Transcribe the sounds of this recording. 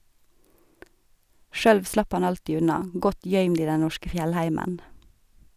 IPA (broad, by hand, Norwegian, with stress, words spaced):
ˈʃøːɽʋ ˈslɑp ˈɑn ˈɑltiː ˈʉnɑ ˈɡɔt ˈjœʏmd ˈiː ˈdɛ ˈnɔʃkə ˈfjɛlˌhæɪmən